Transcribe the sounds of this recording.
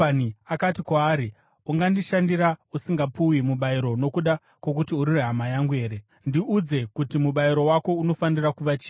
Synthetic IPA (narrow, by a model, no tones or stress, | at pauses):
aniakatikwaːɾi | uŋɡandiʃandiɾausiŋɡapuwimuɓaiɾo̞no̞kuɗa | kwok̬utiuɾireɦamajaŋɡue̞ːɾe̞ | ndiʔud͡ze̞kutimuɓaiɾo̞wako̞uno̞fanirakuʋat͡ʃi̥ː